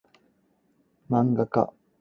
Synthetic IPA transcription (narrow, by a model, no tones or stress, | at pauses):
maŋɡaka̰